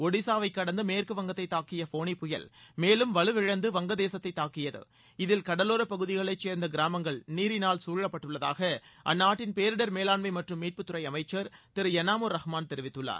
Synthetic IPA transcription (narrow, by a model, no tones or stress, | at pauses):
ɔɽɪsaːʋɐɪkːɐɽɐnd̪ɐmeːrkɯʋɐŋɡɐt̪ːɐɪt̪ːaːkːɪjɐfoːnipːʊjɐ̰lmeːlɯmʋɐɭɯʋɪɻɐnd̪ɯʋɐŋɡɐðeːsɐt̪ːɐɪt̪ːaːkɪjɐðɯ̰ | ɪðɪlkɐɽɐloːɾɐpɐɣɯðɪɣɐɭɐɪt͡ʃːeːɾnd̪ɐɡɪɾaːmɐŋɡɐɭniːɾɪnaːɭsuːɻːɐpːɐʈːɯɭːɐða̰ːɣɐʔɐ̰nːaːʈːɪnpeːɾɯɽɐɾmeːlaːnmɐɪmɐʈrɯmːiːʈ̚pɯt̪ːɯɾɐɪɐmɐɪt͡ʃːɐɾt̪ɪɾɯɛnaːmoɾːɐhmaːnt̪ɛɾɪʋɪt̪ːɯɭːa̰ːɾ